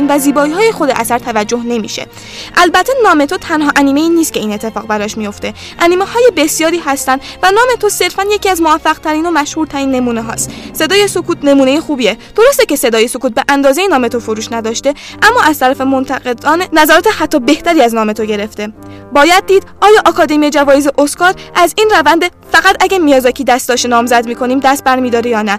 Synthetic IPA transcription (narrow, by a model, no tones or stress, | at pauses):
nvæziːbɒːiːɦɒːje̞xo̞d̪eʔæsæɾt̪ʰævæd͡ʒːo̞ɦne̞mḭːʃḛ | ʔælbæt̪ʰːenɒːme̞t̪ʰot̪ʰænɦɒːʔæniːme̞iːniːst̪̚cʰe̞iːne̞t̪ʰːe̞fɒːɣbæɾɒʃmijo̞ft̪e̞ | ʔæniːme̞hɒːje̞be̞sjɒːɾiːhæst̪ænd̪vænɒːme̞t̪ʰo̞se̞ɾfænje̞cʰiːæzmovæfːæɣ̥t̪ʰæɾiːno̞mæʃhuːɾt̪ʰæɾiːnːe̞muːne̞ɦɒ̰ːst̪se̞d̪ɒːje̞sokʰuːt̪ne̞muːneje̞xuːbied̪̥o̞ɾost̪ece̞se̞d̪ɒːje̞so̞kuːt̪̚beʔænd̪ɒːzejenɒːmet̪o̞foɾuːʃnæd̪ɒːʃt̪e̞ | ʔæmːɒːʔæz̥t̪æɾæfe̞mo̞nt̪ʰæɣe̞d̪ɒːnenæzɒːɾɒːt̪ʰehæt̪ʰːɒːbe̞ht̪æɾiːæznɒːme̞t̪ʰo̞ɟe̞ɾe̞ft̪e̞ | bɒːjæd̪̚ːiːd̪ɒːjɒːʔɒkʰɒːd̪e̞mijed͡ʒævɒːjezeʔoskɒːɾʔæziːnrævænd̪efæɣæt̪æɟæɾmijɒːzɒcʰiːd̪æst̪d̪ɒːʃt̪enɒːmzæd̪miːkʰo̞niːmd̪æst̪̚bæɾmiːd̪ɒːɾejɒːnæ